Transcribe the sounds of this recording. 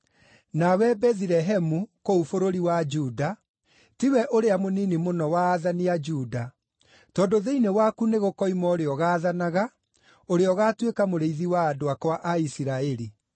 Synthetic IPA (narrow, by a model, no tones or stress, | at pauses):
nawɛbɛðiɾɛɦɛmukoufoɾoɾiwad͡ʒuːda | tiwɛʔoɾeamoninimonɔwaːðaniad͡ʒuːda | tɔːndoðeinewakuneɣokɔimɔoɾeɔɣaːðanaɣa | oɾeɔɣaːtwekamoɾeiðiwaːdoakwaʔaisiɾaɛɾi